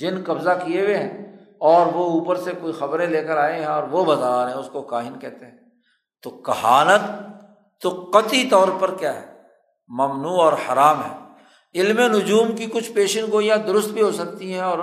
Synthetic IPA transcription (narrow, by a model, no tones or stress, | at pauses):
d͡ʒɪnkɐbzakieweɦɛ̃ː | ɔːɾʋouːpəɾsekoːixɐbɾẽleːkəɾaːẽɦɛ̃ɔːɾʋobɐzaːɾɦɛ̃ʊskokaːɦɪnkɛːt̪ẽɦɛ̃ | t̪oːkɐɦaːnət̪ː | oqət̪it̪ɔːɾpɐɾkjaːɦɛː | mɐmnuːɔːɾhɐɾaːmɦɛ̰ː | ɪlmenʊd͡ʒuːmkikʊt͡ʃʰpeːʃənɡoːjãd̪ʊɾʊst̪̚bʱiɦosɐk̚t̪iɦɛ̃ɔːɾ